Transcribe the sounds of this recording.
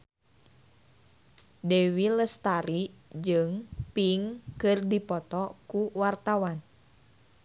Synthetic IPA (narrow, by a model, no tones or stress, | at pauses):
dewiləst̪aɾid͡ʒɨŋpiŋkɨrdipɔt̪ɔkuwart̪awan